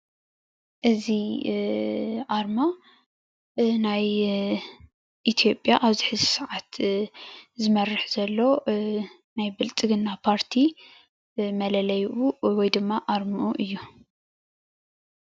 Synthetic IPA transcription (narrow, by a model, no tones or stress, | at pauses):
ʔɨzi | ʔaɾma | naj | ʔit̪ʰijo̞pʼjaʔaβzɨħɨzisɨʕat̪ | zɨmɐrɨħzɐlːo̞ | najbɨlt͡sʼɨɡɨnːapʰaɾt̪ʰi | mɐlɐlɐjʔuwɔjd̪ɨmːaʔaɾmɨʔuʔɨjːu